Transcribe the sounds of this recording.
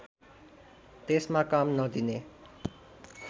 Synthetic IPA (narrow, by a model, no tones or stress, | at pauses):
t̪esmãkamnʌd̪ʱine